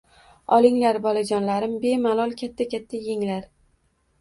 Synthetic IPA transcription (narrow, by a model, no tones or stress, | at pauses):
ɒlˠɪŋlaɾbɒlˠad͡ʒɒnlaɾɪmbe̞malˠɒlˠkʲʰat̪ʰːakʲat̪ʰːajeŋlaɾ